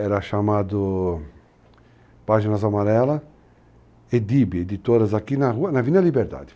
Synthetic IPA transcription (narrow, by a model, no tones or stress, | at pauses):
ɛɾɐʃamad̪ʊ | paʒinazamaɾɛlɐ | ed̪ibied̪it̪oɾɐzakinauɐnavinɐlibeɾd̪a̰d̪ɪ̥